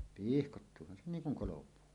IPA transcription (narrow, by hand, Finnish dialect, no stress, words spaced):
pihkotːuːhɑn se niːŋ kuŋ kolopuː